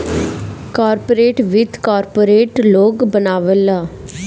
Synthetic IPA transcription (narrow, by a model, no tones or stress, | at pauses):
kaːɾpoːɾeːʈʋɪd̪kaːɾpoːɾeːʈloːɡbənaːʋəlaː